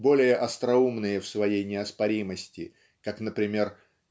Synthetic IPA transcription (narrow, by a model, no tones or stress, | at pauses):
bo̞lʲɪjəʔɐst̪ɾɐumnɨjəfsvɐjejnʲɪɐspɐɾʲiməsʲtʲɪ | kaknəpɾʲɪmʲe̞r